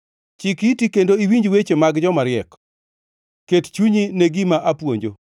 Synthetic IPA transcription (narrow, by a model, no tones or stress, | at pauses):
t͡ʃikitikendoiwiɲd͡ʒwet͡ʃemaɡd͡ʒɔmaɾɪɛk | kett͡ʃuɲinɛɡimaʔapwoɲd͡ʒo